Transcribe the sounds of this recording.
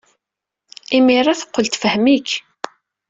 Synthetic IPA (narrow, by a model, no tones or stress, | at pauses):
imirˤːaθə̥qːəlt̪fəhmik